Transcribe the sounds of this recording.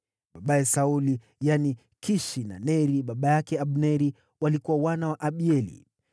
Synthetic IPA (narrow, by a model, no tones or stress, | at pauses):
ɓaɓajɛsauli | jani | kiʃina̰nɛɾiɓaɓajakɛaɓnɛɾi | walikuwawanawaʔaɓiɛlḭ